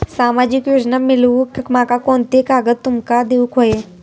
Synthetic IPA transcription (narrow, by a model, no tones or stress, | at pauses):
saːmaːd͡ʒɪkjoːd͡ʒnamɪlukkmakakɔːnt̪ekaːɡəd̪̚t̪ʊmkad̪eukʰoe